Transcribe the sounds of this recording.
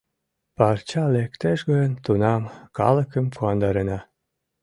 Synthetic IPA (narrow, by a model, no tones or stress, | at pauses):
pɑrt͡ɕɑlekt̪eʃɡəjənt̪unɑmkɑ̰lə̆kəmpuɑnd̪ɑɾenɑ